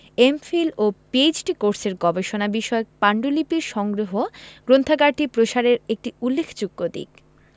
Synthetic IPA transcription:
emfilopied͡ʑʈikoɾseɾɡɔbeʃonabiʃɔek̚paɳɖulipiɾʃɔŋɡɾoɦoɡ̥ɾont̪ʰaɡaɾʈipɾoʃaɾeɾek̚ʈiulːekʰt͡ɕukːod̪ḭk

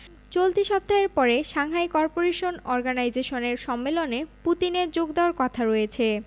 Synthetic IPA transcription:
t͡ɕolt̪iʃɔb̚d̪ʱaɦeɾpɔɾeʃaŋɦajkɔɾpoɾeʃonɔɾɡanajd͡ʑeʃoneɾʃɔmːeloneput̪ineɾd͡ʑoɡd̪eoaɾkɔt̪ʰaɾɔet͡ɕʰe

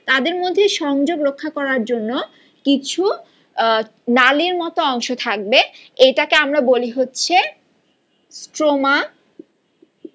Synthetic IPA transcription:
t̪ad̪eɾmod̪ʱːeʃɔŋd͡ʑoɡɾokʰːakɔɾaɾd͡ʑonːo | kit͡ɕʰu | naliɾmɔt̪oɔŋʃot̪ʰak̚be | eʈakeamɾaboliɦotːɕʰe | sʈɾoma

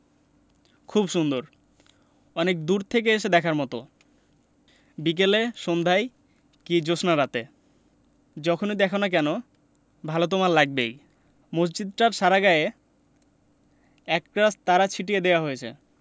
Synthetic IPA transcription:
kʰubʃund̪oɾ | ɔnek̚d̪uɾt̪ʰek̬eeʃ̬ed̪ɛkʰaɾmɔt̪o | bik̬eleʃond̪ʱaj | kid͡ʑoʃnaɾat̪e | d͡ʑɔkʰonid̪ɛkʰanak̬ɛno | bʱalot̪omaɾlaɡ̚bej | mos̬d͡ʑid̪̚ʈaɾʃaɾaɡaje | ɛkkɾast̪aɾat͡ɕʰiʈied̪ewaɦojet͡ɕʰḛ

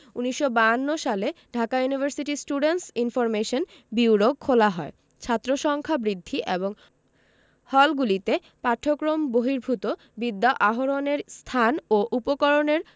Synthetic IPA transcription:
uniʃːobanːoʃaleɖʱakajunibʱeɾsiʈisʈuɖensinfɔɾmeʃon | biwɾoɡ̚kʰolaɦɔe | t͡ɕʰat̪ːɾoʃɔŋkʰabɾid̪ʱːiʔeboŋ | hɔlɡulit̪e | paʈʰːokɾomboɦiɾbʱut̪o | bid̪ːaʔaɦoɾoneɾst̪ʰanoʔupokɔɾoneɾ

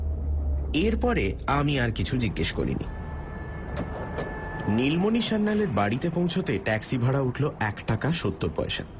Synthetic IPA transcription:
eɾpɔɾeamiaɾkit͡ɕʰud͡ʑiɡːeʃko̰ɾḭnḭ | nilmoniʃanːaleɾbaɽit̪epõw̃t͡ɕʰot̪eʈɛksibʱaɽauʈʰloʔɛkʈakaʃot̪ːoɾpɔ̰eʃa̰

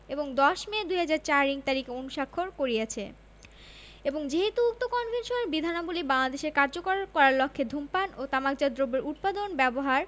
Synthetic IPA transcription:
eboŋd̪ɔʃmed̪uɦad͡ʑaɾt͡ɕaɾɾiŋt̪aɾikeonuʃakʰːoɾkoɾijat͡ɕʰḛ | eboŋd͡ʑeɦet̪uuk̚t̪okɔnvʱenʃoneɾbid̪ʱanabolibaŋlad̪eʃeɾkaɾd͡ʑokoɾkɔɾaɾlokʰːed̪ʱumpanot̪amakd͡ʑad̪ɾobːeɾut̪̚pad̪onbɛboɦaɾ

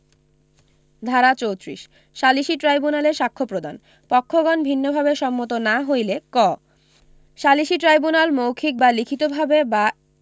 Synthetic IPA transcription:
d̪ʱaɾat͡ɕowt̪ɾḭʃ | ʃaliʃiʈɾajbunaleɾʃakʰːopɾod̪an | pɔkʰːoɡɔnbʱinːobʱabeʃɔmːot̪̬onaɦojlekɔ | ʃaliʃiʈɾajbunalmowkʰik̚balikʰit̪obʱabeba

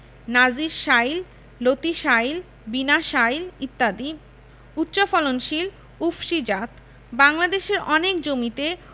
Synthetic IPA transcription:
nad͡ʑiɾʃail | lot̪iʃajil | binaʃailit̪ːad̪i | ut̪ːɕofɔlonʃil | ufʃid͡ʑat̪ | baŋlad̪eʃeɾɔnek̚d͡ʑomit̪e

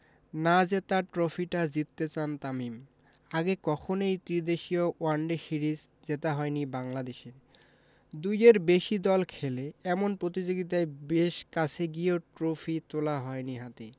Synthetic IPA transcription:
nad͡ʑet̪aʈɾofʰiʈad͡ʑit̪ːet͡ɕant̪amim | aɡekɔkʰonejt̪ɾid̪eʃioaɳɖesiɾid͡ʑ | d͡ʑet̪aɦɔjnibaŋlad̪eʃeɾ | d̪ujeɾbeʃid̪ɔlkʰeleɛmonpɾot̪id͡ʑoɡit̪̬aebeʃkat͡ɕʰeɡioʈɾofʰit̪olaɦɔeniɦat̪e

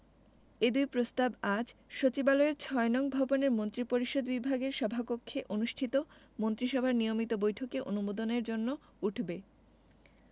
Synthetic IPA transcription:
ed̪ujpɾost̪abad͡ʑʃot͡ɕibaloeɾt͡ɕʰɔenɔŋbʱɔboneɾmont̪ɾipoɾiʃod̪bibʱaɡeɾʃɔbʱapokʰːeʔonuʃʈʰit̪o | mont̪ɾiʃɔbʱaɾnijomit̪obojʈʰokeʔonumod̪oneɾd͡ʑonːo | uʈʰbe

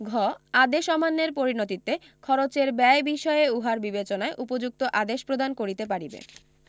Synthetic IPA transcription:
ɡʱɔad̪eʃɔmanːeɾpoɾinot̪it̪ːe | kʰɔɾot͡ɕeɾbɛebiʃɔeeuɦaɾbibet͡ɕonaeʔupod͡ʑuk̚t̪oʔad̪eʃpɾod̪ankoɾit̪ep̬aɽibḛ

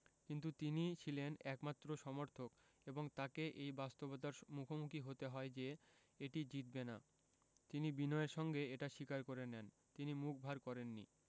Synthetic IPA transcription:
kint̪̬ut̪init͡ɕʰilenɛkmat̪ːɾoʃɔmoɾt̪ʰok | eboŋt̪akeʔejbast̪obot̪̬aɾmukʰomukiɦot̪eɦɔed͡ʑe | eʈid͡ʑit̪̚bena | t̪inibinɔeɾʃɔŋɡeeʈaʃikaɾkoɾenɛn | t̪inimuk̚ʰbʱaɾkɔɾenːḭ

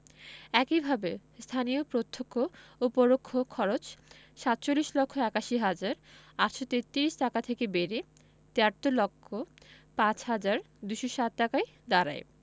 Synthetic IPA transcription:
ɛkibʱabest̪ʰaniopɾot̪ʰːokʰːoopoɾokʰːokʰːɔɾot͡ɕ | ʃat̪ːt͡ɕolːiʃlɔkʰːoɛkaʃiɦad͡ʑaɾaʈʃot̪et̪ːiɾiʃʈakat̪ʰekebeɾe | t̪eaɾt̪ːolokʰːo | pãt͡ɕɦad͡ʑaɾ | d̪uʃoʃat̪̚ʈakaj | d̪aɾa̰e

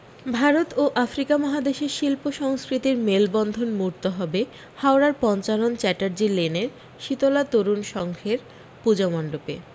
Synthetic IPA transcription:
bʱaɾot̪oʔafɾikamɔɦad̪eʃeɾʃilpoʃɔŋskɾit̪iɾmelbɔnd̪ʱonmuɾt̪oɦɔbe | haoɾaɾpɔnt͡ɕalont͡ɕɛʈaɾd͡ʑileneɾ | ʃit̪olat̪oɾunʃɔŋkʰeɾ | pud͡ʑamɔnɖopḛ

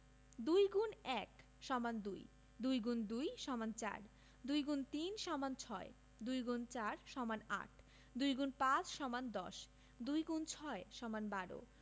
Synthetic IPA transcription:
d̪ujɡunɛk | ʃɔmand̪uj | d̪ujɡund̪ujʃɔmant͡ɕa̰ɾ | d̪ujɡunt̪inʃɔmant͡ɕʰɔe | d̪ujɡunt͡ɕaɾʃɔmana̰ʈʰ | d̪ujɡunpãt͡ɕʃɔmand̪ɔ̰ʃ | d̪ujɡunt͡ɕʰɔeʃɔmanbaɾo̰

